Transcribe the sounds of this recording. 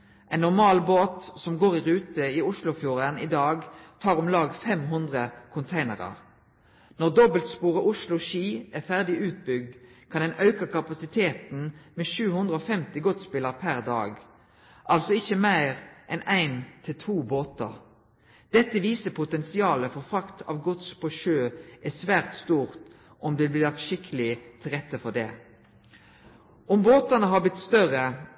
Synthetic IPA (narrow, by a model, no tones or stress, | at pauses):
ʔæɪnːɔʁmɑːlboːt̪sɔmɡoːʁɪʁʉːt̪əiʊʂlʊfjuːʁənid̪ɑːɡt̪ʰɑːʁɔmlɑːɡfɛmɦʉnd̪ʁəkʰʊnt̪ʰæɪnə̰ʁɑ̰ʁ | nɔʁd̪ɔbəlt̪spuːʁəʔʊʃlʊʃiːʔæfæʁd̪ɪʉːt̪̚bʏɡ̚d̪kʰɑnd̪ɛnɑʉkəkʰɑpɑsɪt̪ʰeːt̪n̩meːʃʉːhʉnd̪ʁəoːfɛmt̪ɪɡɔt̪spɪləʁpʰæʁd̪ɑ̰ːɡ | ʔɑlsɔɪçːəmæɪʁʔɛnæɪnt̪ʰɪlt̪ʰuːboːt̪əʁ | d̪̥ɛt̪ːəʋiːsəpʰʊt̪ɛnsɪɑːləfɔʁfʁɑkt̪ʰɑ̰ːʋɡɔt̪spʰɔʃøːʔæsʋæːʁt̪st̪uːʁt̪ | ʔɔmd̪ɛblɪlɑkt̪ʃɪkʰəlɪt̪ʰɪlʁɛt̪ːəfɔd̪ɛ̰ː | ɔmboːt̪ənəɦɑblɪt̪st̪œʁə